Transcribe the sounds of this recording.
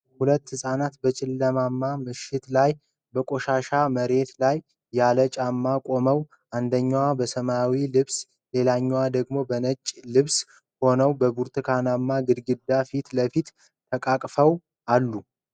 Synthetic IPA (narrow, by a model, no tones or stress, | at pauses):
hulət̪ːhɨsʼanat̪bət͡ʃʼɪlːəmamːamɨʃɪt̪laj | bəkʼo̞ʃaʃaməɾe̞t̪lajː | alət͡ʃʼamːakʼo̞məw | ʔand̪əɲːwabəsəmawilɨβs | le̞laɲːwad̪əɡmo̞bənət͡ʃʼːlɨβs | ho̞nəwbəbuɾt̪ʰɨkʰanamːaɡɨd̪ɡɨd̪ːafit̪ləfit̪ | t̪ʰəkʼakʼfəw | ʔalːu